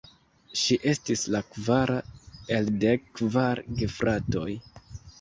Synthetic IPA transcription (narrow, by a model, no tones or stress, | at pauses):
ʃiʔe̞stislakvaɾae̞lde̞kːvaɾɡefɾato̞j